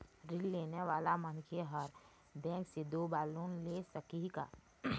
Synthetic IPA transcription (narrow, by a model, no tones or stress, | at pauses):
ɾɪlːeːneʋaːlamənkʰeɦəɾ | bɛ̃ːŋksed̪oːbaːloːnlesəkika̰ː